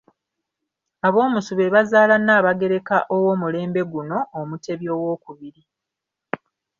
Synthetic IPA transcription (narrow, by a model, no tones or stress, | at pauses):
aβo̞ːmusuβe̞βazaːlanaːβaɡe̞ɾe̞kaʔowo̞ːmule̞ːmbe̞ɡuno̞ːmute̞βjo̞ːwo̞ːkuβiɾi